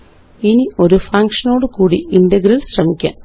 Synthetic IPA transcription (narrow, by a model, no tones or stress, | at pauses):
inio̞ɾufɐŋkʂɐno̞ːɽɨkuːɽiʔinɖɐɡɾɐlɕrɐmikʲːa̰ːn